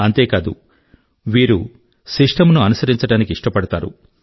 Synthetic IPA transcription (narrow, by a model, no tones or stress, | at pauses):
ɐnt̪e̞ːkaːd̪ṵ | ʋiːɾu | sɾiʂʈʰɐmnuɐnusɐɾiɲt͡ʃɐɽaːnikiʂʈɐpɐɽɐt̪a̰ːɾṵ